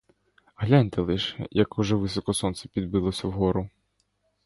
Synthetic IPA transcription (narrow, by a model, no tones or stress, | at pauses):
ɦlʲanʲt̪ɛlˠɪʃɛjɐkuʒɛʋɪsɔkɔsɔnsɛ̥pʲid̪̚bɪlˠɔsʲɐwɦɔɾʊ